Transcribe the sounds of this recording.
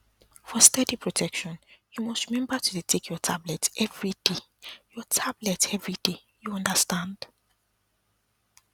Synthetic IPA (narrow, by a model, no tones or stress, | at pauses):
fɔstɛdipʰɹotʰɛkʃɔ̃njumɔstɹimɛ̃mbətudetʰekʰjɔtʰablɛtɛvɹide | jɔtʰablɛtɛvɹide | juɔ̃ndəstãnd̥